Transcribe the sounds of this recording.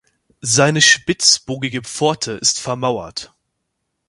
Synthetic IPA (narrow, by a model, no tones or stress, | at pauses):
zaɪnəʃpɪt͡sb̥oːɡɪɡəp͡fɔɐtʰəʔɪstfɛɐmaʊɐ̰t